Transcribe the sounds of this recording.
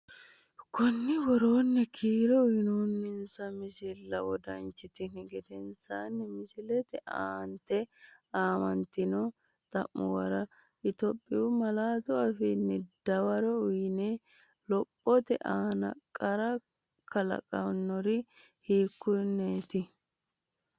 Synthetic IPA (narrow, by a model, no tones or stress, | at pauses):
kʊnːɪwɔɾoːnːɛkʰiːɾɔʊjɪnunmɪnsɐmɪsɪlːɐwɔd̪ɐ̰nt͡ʃːɪt̪ɪnɪɡɛd̪ɛnsaːnːɛmɪsɪlɛt̪ɛa̰ːnt̪ɛ | aːmɐnt̪ɪnɔ | t̪ʼɐ̰mːɔ̰wɐɾɐ | ʔɪt̪ɔpʼːɪʊmɐlaːt̪ʊɐfɪnːɛd̪̥ɐwɐɾɔʊjɪnɛ | lɔpʼːɔt̪ɛ̰ʔaːnɐ̰kʼːɐɾɐ | kʰɐlɐ̰kʼɐwnːɔɾɪ | hiːkːʊnːeːt̪ɪ